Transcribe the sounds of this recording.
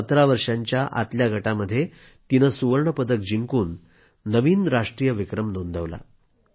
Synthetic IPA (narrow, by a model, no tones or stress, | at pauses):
sət̪ɾaʋəɾʂaɲt͡ɕjaʔa̰t̪ljaɡʱəʈaməd̪ʱːje | t̪inəsuʋəɾɳəpəd̪ək̚d͡ʑiŋkuːnː | əʋiːnɾaʂʈɾiːjəʋikɾəmnond̪ʱəʋla̰